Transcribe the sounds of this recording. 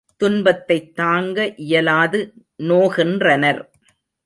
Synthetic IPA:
t̪ʊnbɐt̪ːɐɪt̪ːaːŋɡɐʔɪjɐlaːðɯ | noːɣɪndrɐnɐɾ

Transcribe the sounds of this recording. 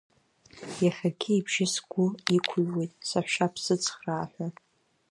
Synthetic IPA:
jaχʲaɡʲɪibʒɪsɡʷʊikʷʰʊɥwejtʼsaħʷʃapʰsɨt͡sʰʼχraːħʷᶣa

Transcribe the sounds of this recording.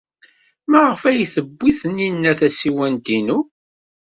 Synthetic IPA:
mæʁəfæjθəbːiθəninːæθæsiwænt̪inu

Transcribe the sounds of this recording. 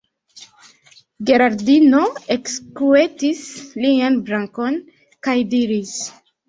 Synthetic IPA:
ɡe̞ɾaɾdino̞ekskue̞tislianbɾaŋko̞n | kajdiɾis

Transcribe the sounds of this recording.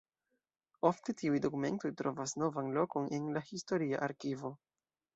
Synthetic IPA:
o̞fte̞tiujdo̞kume̞̰nto̞jtɾo̞vasno̞vanlo̞ko̞ne̞nlahisto̞ɾia̰ʔaɾkivo̞

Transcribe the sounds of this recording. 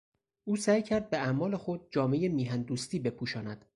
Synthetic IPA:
ʔuːsæːjcʰæɾd̪̚be̞æmɒːle̞xod̪̚d͡ʒɒːme̞jemiːɦænd̪uːst̪iːbe̞pʰuːʃɒːnæd̪̥

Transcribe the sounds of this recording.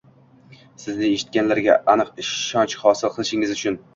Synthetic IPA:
sɪznɪeʃɪ̥t̪̚kʲanlaɾɡʲa̰ʔanɨqɪʃːɒnt͡ʃhɒsɪlˠqʰɨlˠɪʃɪŋʲɪzʊt͡ʃʰʊn

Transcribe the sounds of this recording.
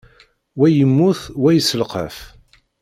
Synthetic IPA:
wæjəmːʊθwæjəsəlqə̰f

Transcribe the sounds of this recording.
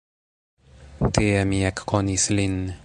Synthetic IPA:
t̪eɛmiɛkkonislinː

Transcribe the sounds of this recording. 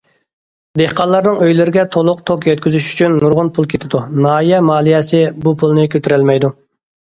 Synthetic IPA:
d̪ehqɑlˠːɑɾnɨŋøjlɪɾɪɡʲɛt̪ʰolˠʊqt̪ʰokjɛt̪̚kʲyzyʃy̥t͡ʃʰynːuɾʁʊnpʰulˠkʲʰet̪ʰɪd̪unɑːijɛmɑːlˠijɛsɪbupʰulˠnɪkʲʰøt̪ʰyɾɛlmɛjd̪u

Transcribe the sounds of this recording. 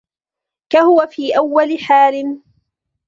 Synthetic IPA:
kahʊwafiːʔawːalɪħaːlɪn

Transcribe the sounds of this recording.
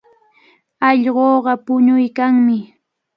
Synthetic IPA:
ɑʎɢoːɢɑpʊɲʊjkaŋmɪ

